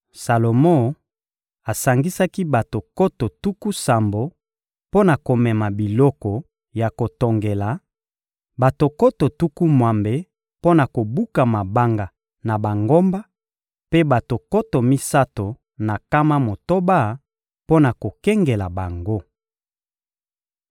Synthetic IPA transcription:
sa˨lo˨mo˦˨ | a˨sa˨ŋɡi˦sa˦ki˦ba˨to˨ko˦to˨tu˦ku˦sa˨mbo˨ | po˦na˨ko˨mɛ˨ma˨bi˨lɔ˦kɔ˨ | ja˨ko˨to˨ŋɡe˨la˨ | ba˨to˨ko˦to˨tu˦ku˦mwa˨mbe˨ | po˦na˨ko˨bu˦ka˨ma˨ba˦ŋɡa˨ | na˨ba˨ŋɡo˦mba˦ | pe˦ba˨to˨ko˦to˨mi˦sa˦to˨ | na˨ka˦ma˦mo˨to˦ba˦ | po˦na˨ko˨kɛ˦ŋɡe˨la˨ba˨ŋɡo˦

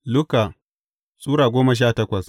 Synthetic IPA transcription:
lʊ˦ka˨ | sʼuː˦ɾaː˨ɡʷoː˦mɐ˨ʃ̬aː˦˨tɐ˦kʷɐ˨s

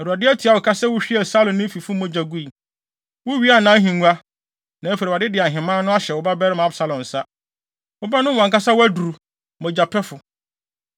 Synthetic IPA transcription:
ɛ˨ɾu˨a˨dɪ˦æ˦tʰi˨a˨wʊ˨kʰa˦sɛ˦wʊ˦ɕᶣi˦ɛ˨sa˦lʊ̃˨nːɪ̃˦fi˨fʊ˦mɔ̃˦d͡ʑa˨ɡu˦i˨ | wʊ˦ɥi˦a˦nã˦ɦĩ˨ŋu˦a˦ | nã˨˦e˦fe˨ɾe˨a˨dɪ˦dɪ˨a˨ɦɪ̃˨mãː˦nʊ̃˦a˦ɕɛ˨wʊ˨ba˦bɛ˦ɾɪ˦m˨a˦bsa˨lɔ̃˨n̩˨sa˦ | wʊ˦ba˦nʊ̃˦˨ã˨ŋka˦sa˦wʊ˦æ˦du˨ɾu˨ | mɔ̃˨d͡ʑa˨pʰɛ˦fʊ˨

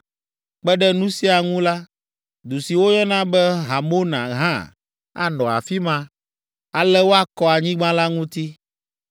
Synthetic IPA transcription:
k͡pɛ˦ɖɛ˦nũ˦si˦a˨ŋũ˦la˦ | d̪u˨si˨wo˦jɔ˦nã˦bɛ˦ɦa˨mo˦nã̰˨ɦã˦˨ | a̰˨nɔ̃˨a̰˨fi˦mã˦ | a˨lɛ˦wo˦a˦kɔ˦a˨ɲĩ˦ɡ͡bã˦la˦ŋũ˦t̪i˦

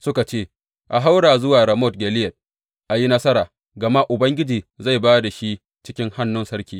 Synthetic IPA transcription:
sʊ˦ka˨t͡ʃeː˦ | ʔa˨ɦa˦wɽaː˨zʊ˦waː˨ɽɐ˨mɔ˦t̚ɡʲɛ˨lɪ˦jɛ˨t̚ | ʔa˨ji˦nɐ˦sɐ˦ɾaː˨ | ɡɐ˨ma˦ʔʊ˨bɐ˦ŋɡʲɪ˦d͡ʒiː˨za˦˨baː˦da˨ʃi˦ | t͡ʃɪ˦kʲɪ˦ŋha˦nːʊ˦nsɐ˦ɾkʲiː˦

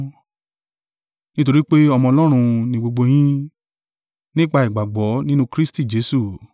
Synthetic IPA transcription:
nĩ˦to˧ɾi˦k͡pe˦ɔ˧mɔ̃˧ɔ˧lɔ˦ɾ̃ũ˧nĩ˧ɡ͡bo˧ɡ͡bo˧j̃ĩ˦ | nĩ˦k͡pa˧i˨ɡ͡ba˨ɡ͡bɔ˨˦nĩ˦nũ˦kɾi˦sti˦˨d͡ʒe˨˦su˦˨

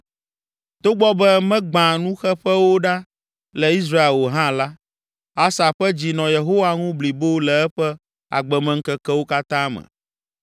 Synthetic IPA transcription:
t̪o˦ɡ͡bɔ˦bɛ˦mɛ̃˦ɡ͡bã˨nũ˦xɛ˦ɸɛ˦wo˦ɖa˦ | lɛ˨i˦s̬ɾa˦e˨lwo˨ɦã˦la˦ | a˦sa˨ɸɛ˦d͡ʑi˨nɔ̃˨je˨ɦo˦wa˦ŋũ˦bli˨bo˦lɛ˨ɛ˦ɸɛ˦ | a̰˨ɡ͡bɛ˨mɛ̃˨ŋ̩˦kɛ˦kɛ˦wo˦ka˦t̪ã˦mɛ̰̃˨

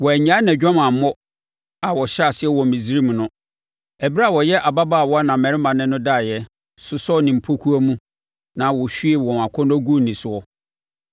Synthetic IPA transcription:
wɔ˨æ˨ɲã˦nɛ̃˨d͡ʑᶣã˦mã˨m˦mɔ˦ | a˨wɔ˨ɕa˨sɪ˦ɛ˦wɔ̃˨m˨mĩ˨zi˦ɾi˦m̃˨nʊ̃˦ | ɛ˨bi˦ɾa˦˨wɔ˨jɛ˦ʔa˨ba˦ba˦˨wɔ˦a˦nã˨mɛ̃˨ɾɪ˦mã˨nɪ̃˦nʊ̃˦daː˦˨jɛ˦ | sʊ˦sɔ˦nɪ̃˨m̩˨pʰo˦kʰu˦a˦mũ˦ | nã˨wɔ˨ɕᶣɥe˨wɔ̃˨m˨a˨kʰɔ˦n˦æ˦ɡu˦nĩ˨sʊ˨ɔ˦

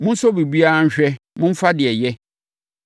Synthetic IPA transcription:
mʊ̃˦n̩˦sɔ˦bi˨bi˦a˦ɲ̩˦ɕᶣɛ˦mʊ̃˦m̩˦fa˦dɪ˨ɛ˨jɛ˦

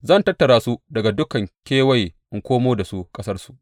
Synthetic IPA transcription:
zɐ˦˨ntɐ˦tːɐ˨ɽaː˦su˦dɐ˨ɡa˨dʊ˦kɐ˨ŋkʲeː˦wɐ˦jʔɪ˦ŋkʷoː˦moː˦da˨su˦kʼɐ˦sɐ˦rsu̥˨ʔ

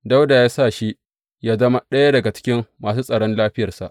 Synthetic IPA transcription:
da˦wda˨jaː˦sa˦˨ʃi˦ | jaː˦zɐ˦ma˦ɗɐ˦ja˦dɐ˨ɡa˨t͡ʃɪ̥˦kʲɪ˦mːaː˨suː˦sʼɐ˨ɽɔ˦nlaː˦ɸɪ˦jɐ˨rsa̰˨ʔ

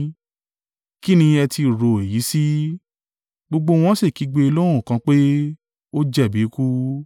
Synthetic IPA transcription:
ki˦nĩ˧ɛ˧ti˧ɾo˨e˨ji˨˦si˦ | ɡ͡bo˧ɡ͡bo˧w̃ɔ̃˦se˦˨ki˨˦ɡ͡be˧i˧lõ˦ũ˦˨kã˧k͡pe˦ | o˦d͡ʒɛ˦˨bi˨˦ku˦

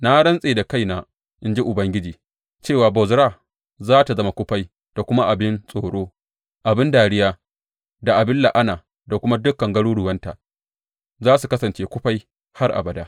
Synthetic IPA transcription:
na˦ɽɐ˦nsʼeː˨da˨ka˦jnaː˨ | ʔɪ˦nd͡ʒi˦ʔʊ˨bɐ˦ŋɡʲɪ˦d͡ʒiː˨ | t͡ʃeː˦˨waː˨bɔ˨zɾaː˦ | zaː˦ta˨zɐ˦ma˨kʷʊ˦ɸa˦j | d̥a˨kʷʊ˦ma˦ʔa˨bɪ˦nsʼoː˨ɽoː˦ | ʔa˨bɪ˦ndaː˨ɽɪ˦jaː˦ | da˨ʔa˨bɪ˦lːa˨ʔa˦naː˨ | da˨kʷʊ˦ma˦dʊ˦kːɐ˨ŋɡɐ˦ɽuː˦ɽʊ˨wɐ˦nta̰˨ | zaː˦su˨kɐ˦sɐ˨nt͡ʃeː˦kʷʊ˦ɸa˦j | ha˦rʔa̰˨bɐ˨daː˦

